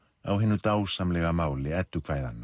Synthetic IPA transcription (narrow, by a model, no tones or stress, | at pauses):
a̰wɦɪnːʏt̪aːwsamlɛɣamaːwlɪɛt̪ːʏkʰv̥aːjða̰nːa